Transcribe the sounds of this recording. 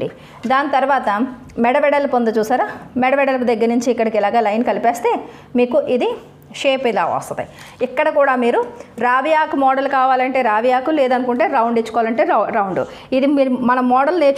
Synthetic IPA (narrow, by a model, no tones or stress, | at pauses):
ɖḭ | d̪aːnit̪ɐɾuʋaːt̪ɐ | mɛɽɐʋɛɽɐlpond̪ɐt͡ʃuːsaːɾaːmɛɽɐʋɛɽɐlpd̪ɐɡːɐɾnuɲt͡ʃiːkːɐɽikɛlaːɡaːlɐjnkɐlipeːst̪e̞ː | miːkuʔid̪i | ʃeːpila̰ːʋɔ̰st̪ɐt̪ḭ | ikːɐɽɐkuːɽaːmiːɾuɾaːʋijaːkumɔːɽɐlkaːʋaːlɐɳʈe̞ːɾaːʋijaːkuleːd̪ɐnukuɳʈe̞ːɾɐwɳɖit͡ʃːu̥kɔʋaːlɐɳʈe̞ːɾɐwɳɖṵ | id̪imiːɾmɐnɐmːɔːɽɐlneːt͡ʃ